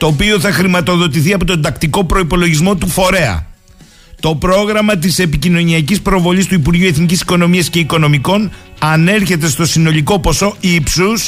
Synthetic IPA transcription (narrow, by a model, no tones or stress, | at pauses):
t̪o̞ːpioθɐxɾimɐt̪o̞ðo̞t̪̬iθiɐpo̞t̪o̞nd̪ɐkt̪iko̞pɾo̞ipo̞lo̞ʝizmo̞t̪ufo̞ɾe̞ɐ̰ | t̪o̞pɾo̞ɣɾɐmɐt̪ise̞picino̞niɐcispɾo̞vo̞list̪uipuɾʝiue̞θnicisi̥ko̞no̞miɐsce̞iko̞no̞miko̞nɐne̞ɾçe̞t̪̬e̞st̪o̞sino̞liko̞po̞so̞ipsus